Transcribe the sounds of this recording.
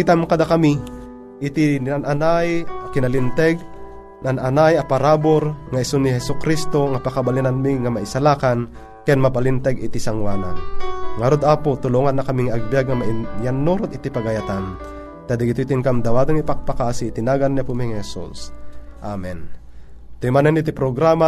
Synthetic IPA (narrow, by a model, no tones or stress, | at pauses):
it̪amkɐd̪akɐmi | ʔɪt̪inananajakɪnalɪnt̪ɛɡ̚ | nanʔanajɐpaɾaːboɾŋaɪsonɪɦɛsʊkɾist̪o̞ŋapakabalinanmiŋamaɪsalaːkan | kɛnmɐpalint̪ɛɡɪt̪isaŋwaːna̰ŋaɾod̪aːpot̪ʊloŋanːakamiŋaɡ̚bijaɡ̚ŋamajanːoɾot̪ɪt̪ipaɡajat̪an | t̪ad̪ɪɡɪt̪ut̪ɪnkamd̪ɐwaːd̪oŋipak̚pakaːsit̪ɪnaːɡanːapumiŋhɛsṵsʔamɛn | t̪ʊjmanɛnɪt̪ipɾoɡɾaːma